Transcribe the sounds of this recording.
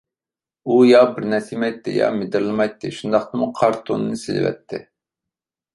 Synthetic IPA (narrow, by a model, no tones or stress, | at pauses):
ujɑbɪɾnɛsimɛjt̪ʰːɪ̰jɑ̰mɪd̪ɪɾlˠɨmɑjt̪ʰːɪʃund̪ɑχt̪ɨmuqʰɑɾt̪ʰonɨnɨsɪlɪ̰vɛ̰t̪ʰːɪ